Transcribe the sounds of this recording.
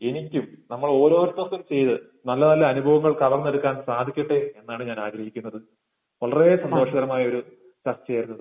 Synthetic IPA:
e̞nikʲːumnɐmːɐɭo̞ːɾo̞ːɾɐt̪ːɐst̪ːumt͡ɕe̞jt̪ɨ | nɐlːɐt̪ɐlːɐɐnubʱɐʋɐŋːɐɭkɐʋɐrnːeɽukːaːnnsaːd̪ʱikʲːiʈːee̞nːaːɳɨɲaːnaːɡɾɐɦikʲːunːɐðɨ | ʋɐɭɐreːsɐnd̪o̞ːʂɐɣɐɾɐmaːjɐo̞ɾu | t͡ɕɐst͡ɕejɐɾunːɐðɨ

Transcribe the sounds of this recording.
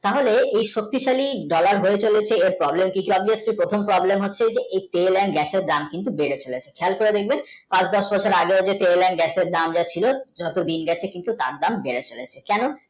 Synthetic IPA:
t̪aɦoleejʃok̚t̪iʃaliɖɔlaɾɦoet͡ɕolet͡ɕʰeeɾpɾɔblemkikiɔbiaslipɾot̪ʰompɾɔblemɦotːɕʰed͡ʑeʔejt̪elɛɳɖɡɛseɾd̪amkint̪ubeɾet͡ɕolet͡ɕʰekʰɛlkoɾed̪ek̚ʰben | pãt͡ɕd̪ɔʃbɔt͡ɕʰoɾaɡeod͡ʑet̪elɛɳɖɡɛseɾd̪amd͡ʑat͡ɕʰilod͡ʑɔt̪od̪inɡɛt͡ɕʰekint̪ut̪aɾd̪ambeɾet͡ɕolet͡ɕʰekɛno

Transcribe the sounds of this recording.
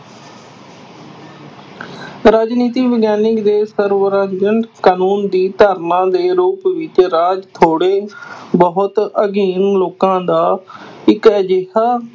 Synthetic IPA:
ɾaːd͡ʒniːt̪iːʋɪɡjaːnɪkd̪eːsəɾʋəɾaːd͡ʒd͡ʒəɳʈkaːnuːnd̪iːt̪aːɾnãːd̪eːɾuːpʋɪt̪ɾaːd͡ʒt̪ʰoːɽeːbəɦʊt̪əɡiːnloːkãːd̪aːɪkəd͡ʒeːɦaː

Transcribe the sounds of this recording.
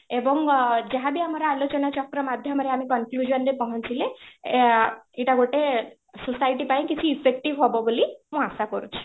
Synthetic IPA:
ebɔŋd͡ʒaɦabiamɔɾɔalot͡ʃɔnat͡ʃɔkɾɔmad̪ʱjɔmaɾeamĩkɔŋklud͡ʒɔnɾepaɦɔnt͡ʃʰile | iʈaɡoʈe | susajʈipaĩkit͡ʃʰiːpʰek̚ʈiʋɦɔbɔbolimũasakɔɾut͡ʃʰi̥

